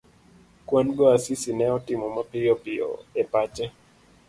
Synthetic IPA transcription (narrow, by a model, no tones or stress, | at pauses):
kwanɡɔasisinɛɔtimɔmapiɔpiɔ̰ɛpat͡ʃɛ